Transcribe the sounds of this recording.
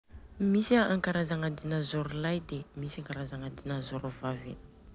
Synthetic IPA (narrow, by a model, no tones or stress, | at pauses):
misiaaŋkaɾazaŋad̪inazoɾulajd̪emisaŋkaɾazaŋad̪inazoɾuvavḛn